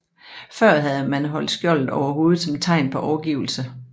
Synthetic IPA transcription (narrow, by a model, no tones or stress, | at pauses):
fɶɐ̰ɦæð̞̩ˠəmænɦɒ̽l̰d̥sɡ̥jɒl̰d̩ˠɒʊɐɦo̝ːð̩ˠsɒ̽mt͡sʰɑ̈ɪ̰npʰɒ̽ʔɒʊɐɡ̥iʊ̰l̩sə